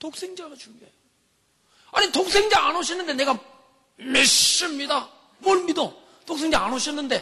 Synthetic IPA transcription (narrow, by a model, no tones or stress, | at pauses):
tok̚s͈ʰeŋd͡ʑaɡat͡ɕuŋɡie | aɲitok̚s͈ʰe̞ŋd͡ʑaanoɕʰinːɯnde̞ne̞ɡa | maɭs͈ɯmɲida | mʌɭmido | toksʰe̞ŋd͡ʑaanoɕʰinːɯnde̞